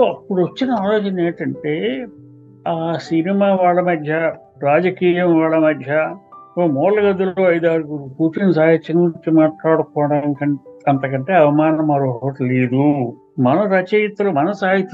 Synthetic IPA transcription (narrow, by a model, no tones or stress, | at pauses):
soːɐpːuɽuʋɐt͡ʃːinɐaːloːt͡ʃɐneːʈɐɳʈe̞ː | aːsinimaːʋaːɭːɐmɐd̪ʱjɐ | ɾaːd͡ʒɐkiːjɐmʋaːɭɐmɐd̪ʱjɐoːmɔːɾlɐɡɐd̪uloːɐjd̪aːɾiɡuɾupuːʈinsaːɦit͡ʃɐnɲt͡ʃimaːʈlaːɽukɔːɽɐnikɐɐnt̪ɐkɐɳʈe̞ːɐʋɐmaːnɐmɐɾoːɦʋɐʈleːd̪u | mɐnɐɾɐt͡ʃɐjɐt̪ːɐlɐmɐnɐsaːɦit̪ː